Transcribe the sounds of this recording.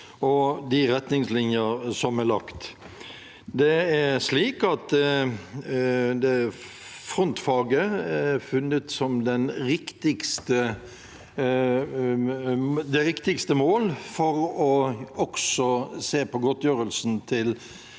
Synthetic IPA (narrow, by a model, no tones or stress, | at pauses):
ɔd̪ɪʁɛt̪nɪŋslɪnjəɾsɔmɛlɑkt̪ | d̪ɛæʂliːkɑt̪ | d̪ɛ | fʁɔnt̪fɑːɡəæfʉnət̪sɔmd̪ɛnɾɪkt̪ɪkst̪ə | d̪ɛɾɪkt̪ɪkst̪əmoːlfɔɾɔɔksɔseːpɔɡɔt̪jøːɾəlsn̩t̪ʰɪl